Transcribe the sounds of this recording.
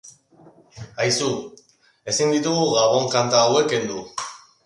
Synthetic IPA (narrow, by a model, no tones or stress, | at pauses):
ajsu | e̞sind̪it̪uɣuɣaβo̞ŋkant̪aːwe̞kend̪u